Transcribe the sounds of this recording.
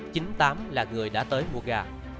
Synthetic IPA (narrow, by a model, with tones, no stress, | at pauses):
t͡ɕï˨˦ŋt̪aː˨˦mlaː˨˩ŋɨ˨˩əjɗa̰ː˧˥t̪əː˨˦jmu˧˩əɣaː˧˩